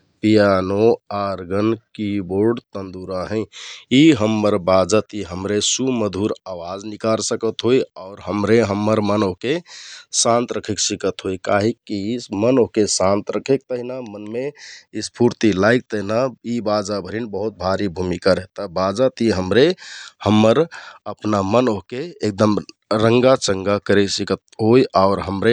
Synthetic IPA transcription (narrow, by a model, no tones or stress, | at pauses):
pijanoaɾɡənkiboɾɖt̪ənd̪uɾaɦɛ̃iɦəmːəɾbad͡ʒət̪iɦəmɾesuməd̪ʱuɾawad͡ʒnikaɾsəkət̪ɦojɔʊɾɦəmɾeɦəmːəɾmənokesãnt̪ɾəkʰeksikət̪ɦojkaɦikːimənokesãnt̪ɾəkʰek̚t̪əɦinamənmeispuɾt̪ilaik̚t̪əɦinaibad͡ʒabʱəɾinbəɦut̪̚bʱaɾibʱumikaɾet̪əbad͡ʒat̪iɦəmɾehəmːəɾəpnamənoɦkeːk̚d̪əmɾəŋɡat͡ʃəŋɡakəɾeksikət̪ɦojaʊɾɦəmɾe